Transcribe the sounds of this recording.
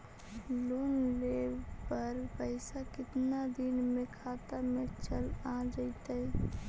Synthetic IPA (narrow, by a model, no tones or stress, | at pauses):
lonlepəɾpəɪsakɪt̪nad̪inmekʰat̪amet͡ʃəlãd͡ʒəɪt̪əj